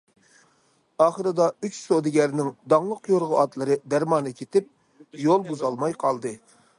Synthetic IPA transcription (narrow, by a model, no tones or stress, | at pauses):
ɑːχəɾɨd̪ɑyt͡ʃsod̪ɪɡʲæɾnɪŋd̪ɑŋlˠəqjoɾʁʊɑt̪lˠɨɾɨd̪æɾmɑːnɨkʲʰet̪ɪp̚ | jolˠbuzɑlˠmɑjqʰɑlˠd̪ɨ